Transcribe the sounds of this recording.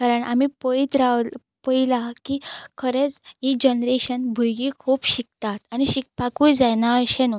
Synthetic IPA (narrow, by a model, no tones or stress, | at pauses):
kaɾəɳʔa̰mipəit̪ɾa | pəilakikʰəɾet͡sid͡ʑənɾeɕənbʱuɾɡikʰuːpɕik̚t̪at̪añiɕik̚pakũjd͡zajnaəɕenɔ